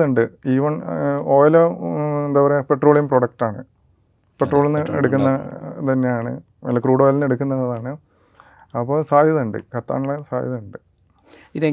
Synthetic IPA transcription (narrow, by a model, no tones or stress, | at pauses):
uɳɖɨiːʋɐɳoːjɐlond̪aːʋɐɾepe̞ʈːro̞ːɭimproɽɐk̚ʈaːɳɨ̰ | pe̞ʈro̞ːɭinːɨeɽuk̬ʲːunːɐt̪ɐnːejaːɳɨ̰ | ɐ̰lːɐkruːɽoːjlnːeɽukʲːunːɐðɐðaːɳɨ | ɐpːoːsaːjɐðuɳɖɨ̰kɐt̪ːa̰ːɳuɭːɐsa̰ːjɐðuɳɖɨ | iðe